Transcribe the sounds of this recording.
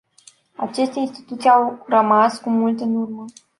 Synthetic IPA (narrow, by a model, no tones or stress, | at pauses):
at͡ʃest̪einst̪i̥t̪ut̪sijawrəmaskumult̪ɨnurmə